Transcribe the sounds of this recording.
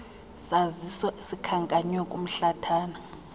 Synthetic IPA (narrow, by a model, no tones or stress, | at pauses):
sazisɔsikʰaŋkʼaɲwɛkʼum̩ɬatʰaːna